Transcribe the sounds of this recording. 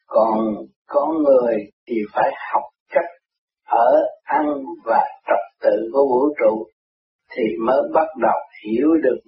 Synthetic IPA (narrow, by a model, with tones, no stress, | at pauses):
kɔ˨˩n | kɔ˨˦ŋɨ˨˩əjt̪ʰi˨˩faː˧˩jha˨˩wk͡p̚t͡ɕa˦˥k̚ | ʔəː˧˩ʔa˧ŋvaː˨˩t͡ɕə˨˩k͡p̚t̪ɨ̰˧˨ku˧˩əvṵ˧˥t͡ɕṵ˧˨ | t̪ʰi˨˩məː˨˦jɓa˦˥t̚ɗə˨˩whi˧˩əwɗɨ˨˩ək̚